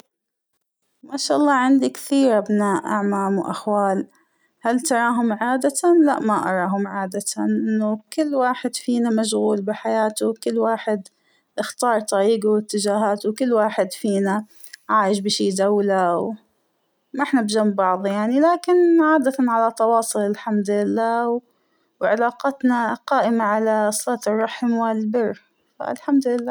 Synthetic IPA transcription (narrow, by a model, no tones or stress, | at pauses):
maʃaːʔɑlˤːɑːʕɪnd̪ikθiːɾʔabnaːʔʔa̰ʕmaːmwʔa̰xwaːl | halt̪ɑɾˤɑːɦʊmʕaːd̪at̪la̰ʔmaʔɑ̰ɾˤɑːɦʊmʕaːd̪at̪ʔɪnːʊkɪlːwaːħɪd̪fiːnamaʃ̬ɣuːlbɪħajaːt̪ʊkɪlːwaːħɪd̪ | ʔɪxt̪ɑːɾˤt̪ˤɑɾiːɡawɪt̪ːɪd͡ʒaːɦaːt̪wkɪlːwaːħɪd̪fiːna | ʕaːjɪʃbɪʃiːd̪awlaw | mʔɪħnabd͡ʒamːbɑʕðˤjaʕnilaːkɪnʕaːd̪at̪anʕalat̪ˤɑwɑːsˤʊlɪlħamd̪ʊlɪlːaːw | wʕɪlɑːqɑt̪naqaːʔɪmaʕalaɑsˤlɑːt̪ɨrˤːɑħmwɪlbɪrː | fa̰lħamd̪ʊlɪlːaː